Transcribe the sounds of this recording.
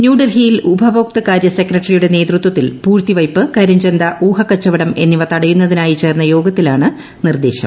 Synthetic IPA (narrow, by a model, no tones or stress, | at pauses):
njuːɖɐlɦiːilubʱɐbʱoːk̚t̪ɐkaːɾjɐse̞krɐʈːɐrijuɽe̞ne̞ːt̪rut̪wɐt̪ːilpuːrt̪iʋɐjpːɨkɐɾuɲd͡ʑe̞nd̪ɐʔuːɦɐkːɐt͡ɕːɐʋɐɽɐme̞nːiʋɐt̪ɐɽɐjunːɐðinaːjit͡ɕe̞ːrnːɐjo̞ːɡɐt̪ːilaːɳɨ | nird̪e̞ːɕɐ̰m